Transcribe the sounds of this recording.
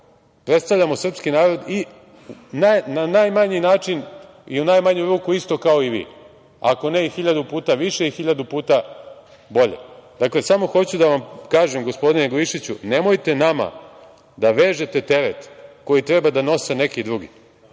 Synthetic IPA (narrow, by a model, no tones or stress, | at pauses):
pɾet̪st̪aʋʎʲamo̞sr̩pskinaːɾo̞d̪i | nananajmaɲinaːt͡ʃin | iunajmaɲuɾuːkuist̪o̞kao̞iʋḭː | a̰ko̞neixiʎad̪upuːt̪aʋiʃe̞ixiʎad̪upuːt̪a | bo̞ʎḛd̪akle̞samo̞xo̞t͡ɕud̪aʋamkaːʒemɡo̞spo̞d̪ineɡliʃit͡ɕunemo̞jt̪e̞nama̰ | d̪aʋeːʒe̞t̪e̞t̪e̞ɾet̪ko̞jit̪ɾe̞bad̪ano̞se̞ne̞kid̪ɾuɡḭ